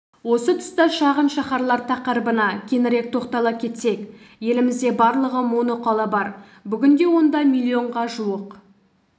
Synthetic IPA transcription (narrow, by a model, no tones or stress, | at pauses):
wo̞sət̪ʰʏ̥st̪əʃɑʁənʃɑχɑɾlˠɑɾt̪ʰɑqəɾbənɑkʲʰe̞nɪɾe̞k̚t̪ʰo̞qt̪ɑlˠɑp̚kʲʰe̞t̪se̞k | je̞lɪmɪzd̪e̞bɑɾlˠəʁəmonoqʰɑlˠɑbɑɾ | bʏɡʲɪnd̪e̞wo̞nd̪ɑmilʲˠːio̞ɴʁɑʒuwəq